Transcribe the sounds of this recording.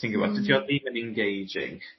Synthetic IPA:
θɪ̃ŋkɪŋəba̰ʊt̚d̥ɪdjəliːvə̃nɛ̃nɡeɪd͡ʒɪ̰̃ŋ

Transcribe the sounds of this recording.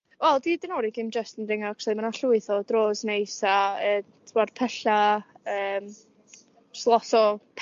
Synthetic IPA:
wɛlˠdidɪnoɾiɡɪmd͡ʒəstənrɪŋakʰsemanaɬuɨθɔd̥roːznejsaəːtʰwad̥pʰɛɬa | əːm | slˠɔsɔpʰ

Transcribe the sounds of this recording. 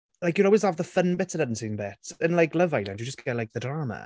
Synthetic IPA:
lajkjəɾɔlˠwɪzavðəfənbɪtʰəndədn̩tsĩːnbɛtʰə̃nlajklˠəvaɪlˠãndjəd͡ʒəsɡʰɛlajk̚ðədɹaːmə̰

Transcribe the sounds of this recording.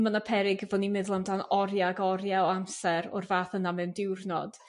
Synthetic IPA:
manapʰɛɾɪɡəvɔnimɛðlˠamdanɔɾjaɡɔɾjaɔamsɛɾɔ̰rvaːθənamɛndɪwrnɔd̥

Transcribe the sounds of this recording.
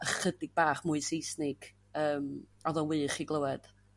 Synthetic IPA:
əχədɪɡ̚baːχmʊɨsejsnɪɡ̥ | əːm | ɔðɔnwɨːχiɡlˠəwɛd̥

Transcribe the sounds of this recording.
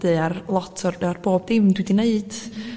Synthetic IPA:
d̥ɨarlˠɔtʰɔrarb̥oːb̚dɪmdwidineɨd̥

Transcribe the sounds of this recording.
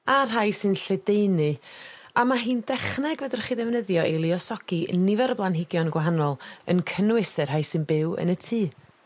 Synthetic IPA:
arɦajsɨnɬɛdejnɨ | amaɦiːndɛχnɛɡvədɪrχiːðɛvnəðjɔʔilˠɪɔsɔɡ̥inɪvɛɾəblˠanɦɪɡjɔnɡwaɦanɔlˠə̰nkʰənwɪsɛr̥ɦajsɨnbɪwə̰nətʰiː

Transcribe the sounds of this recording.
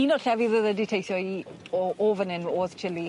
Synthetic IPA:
inɔɬɛviðəðəditʰejθɔi | ɔʔoːvənɪnoːðt͡ʃʰɪli

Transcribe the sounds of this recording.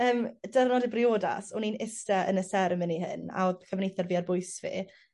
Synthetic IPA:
əːmdɛrnɔdɪbrɪoːda̰sɔninɪstɛʔənəsɛɾəmɪnihə̰na̰oðkʰəvnejθɛrviːarbʊjsvḭ

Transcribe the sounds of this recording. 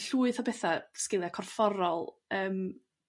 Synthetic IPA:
ɬuːɨθɔbɛθaskɪlˠjakʰɔrfɔɾɔlˠəːm

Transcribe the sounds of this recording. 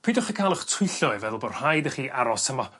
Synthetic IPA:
pʰiːdɔχəkʰalˠəχtʰʊjɬɔɪvɛðlˠbɔr̥hajdəχiːʔaɾɔsəma

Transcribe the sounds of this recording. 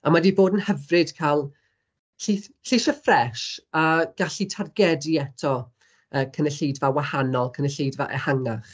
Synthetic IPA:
amadiboːdənhəvrɨd̥kʰalˠ | ɬiɬiʃəfrɛʃaɡ̥aɬitʰarɡɛdiɛtʰɔ | əːkʰənəɬejdvawahanɔlˠkʰənəɬejdvaʔɛ̰haŋaχ

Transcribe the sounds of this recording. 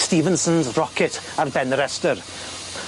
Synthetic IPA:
stiːvənsə̃nzrɔkʰɪtʰarbɛnɾɛstər

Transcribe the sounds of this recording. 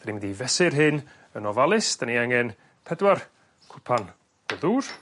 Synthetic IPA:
d̥animɪndivɛsɪrɦɨn | ənɔvalˠɪsd̥aniaŋɛn | pʰɛdwar | kʰʊpʰan | ɔðuːr

